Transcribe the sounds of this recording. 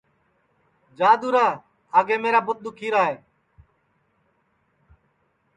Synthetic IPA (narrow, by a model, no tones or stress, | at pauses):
d͡ʒaːd̪uːɾãː | aːɡeːmeːɾaːbʊt̪̚ɗ̪ukʰiːɾaːɦeː